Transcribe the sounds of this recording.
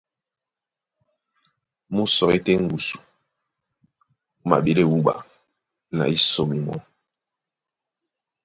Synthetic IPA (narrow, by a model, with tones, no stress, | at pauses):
mu˦sɔ˨ke˦te˦ŋ̩˦ɡu˨su̥˨˦ | ma̰˨ɓi˦le˦˨wu˦ɓa̰˨ | na̰˨i˦so˨mi˨mɔ̰˦